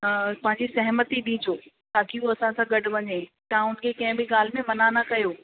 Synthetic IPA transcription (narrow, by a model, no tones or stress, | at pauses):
pɐ̃ɦɪ̃ɲ̆d͡ʑisɐɦmət̪iɗĩːd͡ʑoː | t̪aːkiuːɐsãsãːɡɐɖʊʋɐɲeːt̪ɐãʊnɪ̆kʰekɐ̃ɦɪ̃bɪɠaːl̤ɪmẽmɐnanakɐjoː